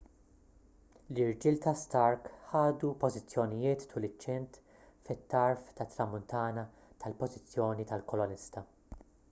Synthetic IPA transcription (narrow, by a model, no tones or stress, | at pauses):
lɪɾd͡ʒiːlt̪ɐst̪ɐɾkħɐːd̪upɔzɪt͡sːjɔnɪjɪːt̪ːʊlɪt͡ʃːɛnt̪ | fɪt̪ːɐɾft̪ɐt̪ːɾɐmʊnt̪ɐːnɐ | t̪ɐlpɔzɪt͡sːjɔːnit̪ɐlkɔlɔnɪst̪ɐ